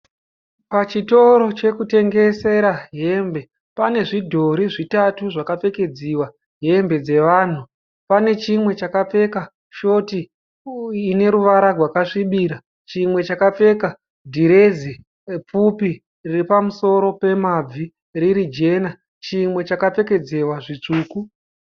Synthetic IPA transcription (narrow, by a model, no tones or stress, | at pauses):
pat͡ʃito̞ɾo̞t͡ʃe̞kute̞ŋɡe̞se̞ɾaɦe̞mbe̞ | pane̞ʐidʱo̞ɾiʐitatuʐakap͡fe̞ke̞d͡ziwa | ɦe̞mbe̞d͡ze̞ʋaːn̤u | pane̞t͡ʃimwe̞t͡ʃakap͡fe̞ka | ʃo̞ti | ine̞ɾuʋaɾarwakaʂiɓiːɾa | t͡ʃimwe̞t͡ʃakap͡fe̞ka | dʱiɾe̞zi | p͡fupi | riripamuso̞ɾo̞pe̞mab͡vi | riɾid͡ʒe̞ːna | t͡ʃimwe̞t͡ʃakap͡fe̞ke̞d͡ze̞waʐit͡ʂuːku